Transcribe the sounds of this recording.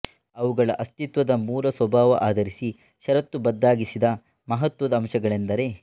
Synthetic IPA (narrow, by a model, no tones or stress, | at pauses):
ɐʋuɡɐɭɐʔɐst̪it̪ʋɐd̪ɐmuːlɐswɐbʱaːʋɐʔaːd̪ʱɐɾisi | ʃɐɾɐt̪ːubɐd̪ːaːɡisid̪ɐ | mɐɦɐt̪ʋɐd̪ɐːmʃɐɡɐɭend̪ɐɾe̞